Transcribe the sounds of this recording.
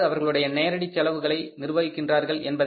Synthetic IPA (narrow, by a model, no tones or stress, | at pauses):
ɐʋɐɾɣɐɭɯɽɐjɐneːɾɐɽit͡ʃːɐlɐʋɯɣɐɭɐɪnɪrɯʋɐʋɪkːɪndraːɾɣɐɭɛnbɐð